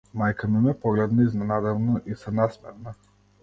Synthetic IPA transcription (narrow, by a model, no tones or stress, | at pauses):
majkamimɛpɔɡlɛd̪nɔiznɛnad̪ɛvnɔʔisɛnasmɛɾna